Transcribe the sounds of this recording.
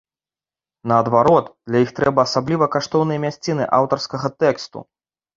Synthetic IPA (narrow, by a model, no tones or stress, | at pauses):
nɐːd̪vaɾɔt̪d̪̥lʲɐjixt̪ɾɛbɐːsablʲivɐkaʂt̪ɔwnɨjɐmʲasʲt͡sʲinɨ̰ʔa̰wt̪ɐrskɐɣɐt̪ɛkst̪ṵ